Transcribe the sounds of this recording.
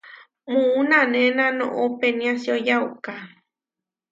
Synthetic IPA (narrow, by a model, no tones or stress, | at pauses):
muunanenãnõ̰ʔopenĩasjojawka